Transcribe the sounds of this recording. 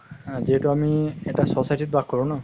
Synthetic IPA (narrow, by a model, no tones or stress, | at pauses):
ziɦɛtʊamiɛtasɔsajtit̚bak̚kɔɹʊ̃nɔ